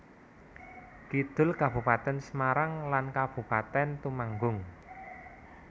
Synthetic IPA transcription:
kid̪̥ʊ̤lkabṳpat̪ɛnsəmaɾaŋlankab̥ṳpat̪ɛnt̪umaŋɡʊŋ

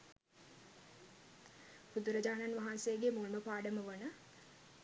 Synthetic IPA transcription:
bud̪uɾəd͡ʒaːnanʋaɦansejəɡemulməpaːɖəməʋənə

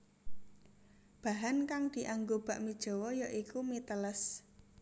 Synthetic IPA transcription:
b̥a̤ɦankaŋd̪̥i̤ʔaŋɡob̥a̤ʔmid̥ʒ̥ɔ̤wɔjɔʔikumit̪ələs

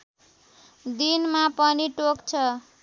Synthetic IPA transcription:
d̪inmapʌniʈokt͡sʰʌ

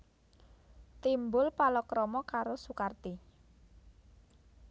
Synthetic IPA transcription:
t̪imbʊlpalɔkɾɔmɔkaɾosukart̪i

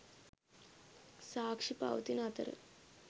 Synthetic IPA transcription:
saːkʂipa̰wt̪inat̪ə̰ɾə̰

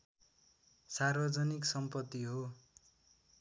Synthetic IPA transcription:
sarbʌd͡zʌniksʌmpʌt̪ːiɦo

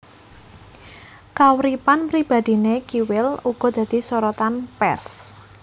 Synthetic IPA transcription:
kawɾipanpɾib̥ä̤d̪̥i̤nekiwɪluɡ̥ɔ̤d̪̥ä̤d̪̥i̤sɔɾɔt̪anpɛrs

